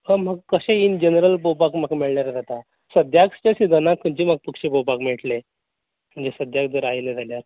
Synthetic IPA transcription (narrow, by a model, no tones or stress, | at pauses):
həm̤aɡkəɕẽind͡ʑenɾəlpopakm̤akmiɭnaɾad͡zat̪a | səd̪jakst͡ɕesid̪ʱənãkʰːənd͡ʑim̤aɡ̚pəkɕepopakmiʈle | m̤əɳd͡zesəd̪jakd̪əɾajled͡zʱaljaɾ